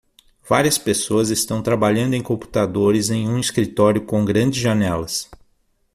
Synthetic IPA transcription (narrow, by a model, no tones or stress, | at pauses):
v̥aɾiɐspesoɐzɪst̪ɐ̃w̃t̪ɾabaʎɐ̃nd̪ʊẽj̃kõmpu̥t̪ad̪oɾɪzẽj̃ũiskɾit̪ɔɾjʊkõɡɾɐ̃nd͡ʒɪzʒanɛlɐs